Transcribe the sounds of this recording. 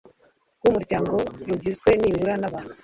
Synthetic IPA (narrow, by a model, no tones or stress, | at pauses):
wumuɾɟaːŋɡo̞ɾuɟizɡwe̞niːuɾanaβanu